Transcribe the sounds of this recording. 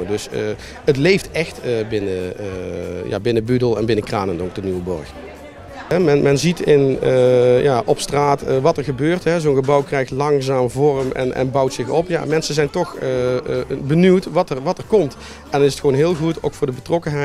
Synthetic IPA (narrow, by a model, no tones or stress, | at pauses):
ədɵs | ətlejftɛxtəbɪnə | ja̰ːbɪnəbydəlˠɛ̰nbɪnəkra̰ːnənok̚dənywəbɔ̰ɹx | ɦɛmɛnmɛnzitɪnəjaːʔɔpstraːtəʋɑtəɹɣəbøːrtɦɛzownɣəbʌwkrɛjxtlɑŋzaːmvɔrəmɛ̰nʔɛ̰nbʌwtsɪxɔpja̰ːmɛnsəzɛjntɔxə | bənywtʋɑtəʋɑtəɹkɔmt | ɛndɑnɪsətxəʋownɦɪːlˠɣutowkfʊːɹdəbətrɔkənɦɛ